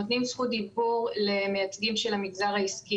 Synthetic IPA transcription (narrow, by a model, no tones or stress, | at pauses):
ot̪nimsχud̪ibuʁle̞me̞jat͡sɡimʃelamiɡzaʁaiski